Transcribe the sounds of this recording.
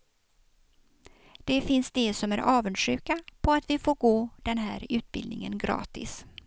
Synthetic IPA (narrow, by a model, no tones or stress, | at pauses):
d̪̥ɛfɪnsd̪ɛsɔmæɾʔɑːvənʂʉːkapʰɔat̪vɪfoːɾɡoːd̪̥ɛnɦæ̰ːɾʉ̟ːt̪̚bɪ̰ld̪nɪ̰ŋə̰nɡɾɑ̰ːt̪ɪ̰s